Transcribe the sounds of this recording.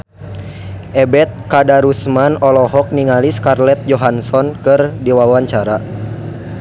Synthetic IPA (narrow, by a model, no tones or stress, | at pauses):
ʔɛbɛt̪̚kadaɾusmanɔlɔɦɔk̚niŋaliskarlɛt̪̚d͡ʒɔɦansɔnkɨrdiwawaɲt͡ʃaɾa